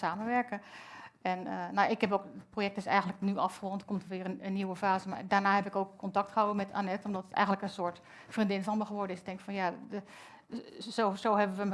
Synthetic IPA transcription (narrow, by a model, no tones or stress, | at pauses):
saːmənʋɛɹkəɛnənoɪkɦɛpoːkət̚projɛk̚tɪsɛ̰jɣən̩ləknyʔɑfχəʋoːntkomtəʋɪərəənːiwəfaːzəma̰daːɹnaːhɛpɪkoːkkɔntɑk̚tχəɦawəmɛtʰa̰nɛtɔmdɔtətɛ̰jxəndləkənsʊət | frindɪnfɔnməxəʋɔɹdənɪsɪɡ̚dɛŋkfɔnja | sosoːɦɛbəʋəmə